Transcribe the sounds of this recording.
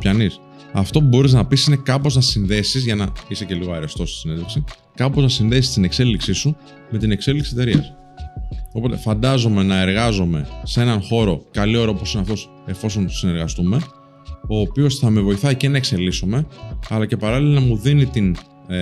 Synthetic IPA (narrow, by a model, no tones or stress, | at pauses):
pçɐnis | ɐft̪o̞pubo̞ɾiznɐpisine̞kɐpo̞znɐsinðe̞sizʝɐnɐise̞ce̞liɣo̞eɾest̪o̞st̪i̥sinend̪ðeksi | kɐpo̞znɐsinðe̞si̥st̪ine̞kse̞liksisu | me̞t̪ine̞kse̞liksie̞t̪eɾiɐ̰s | o̞po̞t̪e̞fɐnd̪ɐzo̞me̞nɐe̞ɾɣɐzo̞me̞see̞nɐnxo̞ɾo̞kɐlio̞ɾɐopo̞sineɐft̪o̞s | e̞fo̞so̞nsine̞ɾɣɐst̪ume̞ | o̞ːpio̞sθɐme̞vo̞iθɐicenɐekse̞liso̞me̞ɐlɐcepɐɾɐlilonɐmuðinit̪in